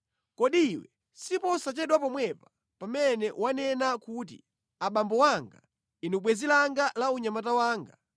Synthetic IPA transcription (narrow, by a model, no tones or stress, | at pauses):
kɔɗiwɛ | sipɔsat͡ʃɛɗwapɔmwɛpḁ | pamɛnɛwanɛnakut̬ḭ | aɓambɔwaŋɡa | inuɓwɛzilaŋɡalauɲamat̬awaːŋɡa